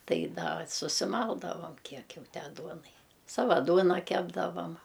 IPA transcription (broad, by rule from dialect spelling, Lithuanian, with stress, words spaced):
ˈtɐɪ ˈdɐ sʊsʲɪˈmɐlˠdɐʋɐm ˈkʲiɛk ˈjɛʊ ˈtʲæː ˈduɔnɐɪ ˈsɑːʋɐ ˈduɔnɐ ˈkʲæːbdɐʋɐm